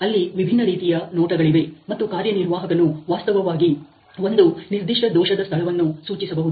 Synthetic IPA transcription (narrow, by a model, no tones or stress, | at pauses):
ɐlːiʋibʱinːɐɾiːt̪ijɐnɔːʈɐɡɐɭiʋe̞mɐt̪ːukaːɾjɐniɾʋaːɦɐkɐnuʋaːst̪ɐʋɐʋaːɡi | o̞nd̪uniɾd̪iʂʈɐd̪ɔːʃɐd̪ɐst̪ʰɐɭɐʋɐnːusuːt͡ʃisɐbɐɦud̪